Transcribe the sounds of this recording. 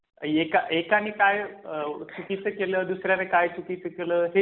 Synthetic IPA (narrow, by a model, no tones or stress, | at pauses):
ekaʔekanikajt͡sukit͡səkeləːd̪usɾjanekajt͡sukit͡səkeləːɦe